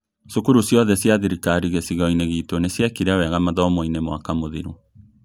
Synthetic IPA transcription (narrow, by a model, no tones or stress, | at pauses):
sukuɾusjɔðɛsjaðiɾikaɾiɣesiɣɔineɣiːtonesjakiɾeawɛɣamaðɔmoinemwa̰kamoðiɾu